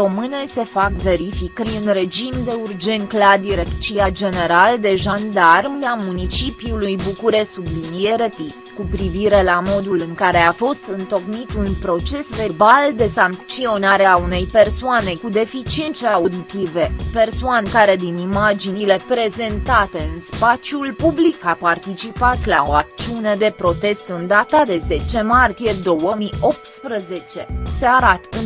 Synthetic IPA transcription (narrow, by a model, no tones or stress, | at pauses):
ɾo̞mɨnese̞fakve̞ɾifikəɾɨnɾe̞d͡ʒimd̪e̞urd͡ʒe̞nt̪klad̪iɾekt͡ʃiad͡ʒe̞ne̞ɾald̪e̞ʒand̪armlamunit͡ʃipjulujbukuɾe̞sublinijeɾət̪it̪kupɾiviɾe̞lamo̞d̪ulɨŋkaɾe̞afo̞st̪ɨnt̪o̞knit̪unpɾo̞t͡ʃe̞sve̞rbald̪e̞saŋk̪t͡ʃio̞naɾe̞aune̞jpe̞rsoane̞kud̪e̞fit͡ʃient̪seaud̪it̪ive̞pe̞rsoankaɾe̞d̪inimad͡ʒinile̞pɾe̞ze̞nt̪at̪e̞ɨnspat͡ʃijulpublikapart̪it͡ʃipat̪lao̞ak̚t̪t͡ʃiune̞d̪e̞pɾo̞t̪e̞st̪ɨnd̪at̪ad̪e̞ze̞t͡ʃe̞mart̪ije̞d̪o̞wəmio̞p̚t̪spɾəze̞t͡ʃe̞seaɾat̪ɨn